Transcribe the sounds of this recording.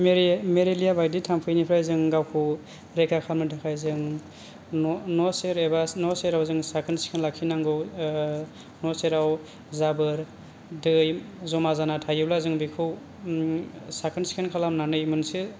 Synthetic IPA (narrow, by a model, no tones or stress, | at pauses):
mɾmeɾelijabajditʰampʰɯjnipʰɾajzɯŋɡawkʰu | ɾekakʰamnɯdʰɯkʰajzɯŋ | nɔseɾebanɔseɾawzɯŋsakʰɯnsi̥kʰɯnlakʰinaŋɡɯw | nɔseɾaw | zabɯɾ | dɯj | zɔmazanatʰajɯblazɯŋbikʰɯw | sakʰɯnsi̥kʰenkʰalamnanɯjmɯnsi